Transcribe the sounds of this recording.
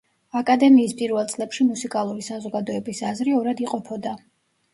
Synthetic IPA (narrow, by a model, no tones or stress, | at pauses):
akʼad̪ɛmiːspʼiɾvɛlˠt̪sʼlɛpʃimusikʼalˠuɾisazɔɡad̪ɔɛbisazɾiɔɾad̪iqʼɔpʰɔd̪a